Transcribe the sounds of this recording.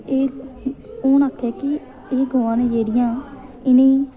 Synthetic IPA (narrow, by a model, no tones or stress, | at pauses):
eː | oːnaːkʰːɛːkɪ | eːɡʱoːãːnẽːd͡ʒeːɽɪjãː | ɪnẽː